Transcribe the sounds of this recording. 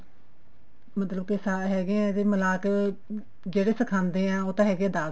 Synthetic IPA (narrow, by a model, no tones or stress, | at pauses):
mət̪ləb̚kɪsaːɦɛːɡeɛ̃ːt̪eːməlaːk | d͡ʒeːɽeːsəkʰãːnd̪eːɛ̃ːoːt̪ãːɦɛːɡeɛ̃ːd̪aː